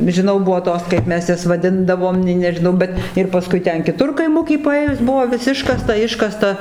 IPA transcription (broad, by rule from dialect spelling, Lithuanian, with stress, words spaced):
ʒʲɪˈnɐʊ ˈbʊʋoː ˈtoːs kɐɪp ˈmʲɛs ˈjɛs ʋɐˈdʲɪndɐʋoːm nʲɛɪ nʲɛʒʲɪˈnɐʊ ˈbʲɛt ɪr pɐˈskʊɪ ˈtʲɛn kʲɪˈtʊr kɐɪˈmʊkʲiː pɐˈeːjʊs ˈbʊʋoː ʋʲɪs ˈɪʃkɐstɐ ˈɪʃkɐstɐ